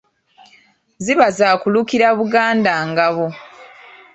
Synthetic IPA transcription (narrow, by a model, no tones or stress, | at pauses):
ziβazaːkulukiɾaβuɡaːndaːŋɡaβo